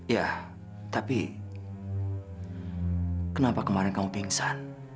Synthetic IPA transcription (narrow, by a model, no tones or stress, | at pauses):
ja | t̪api | kənapakəmaɾɪnkamubiŋsan